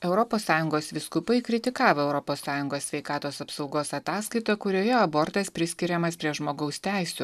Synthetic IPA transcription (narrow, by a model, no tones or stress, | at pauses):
ɛʊɾɔpoːsːɑːjʊŋɡoːsʋʲɪskʊpɐɪkɾʲɪt̪ʲɪkɑːʋoːɛʊɾɔpoːsːɑːjʊŋɡoːssʲʋʲɛɪkɑːt̪oːsɐpsɒʊɡoːsɐt̪ɑːskɐɪt̪oːkʊɾʲoːjɛɐboɾt̪ɐspʲɾʲɪsʲkʲɪɾʲɛmɐspʲɾʲiɛʒmoːɡɐʊst̪ʲæˑɪsʲʊ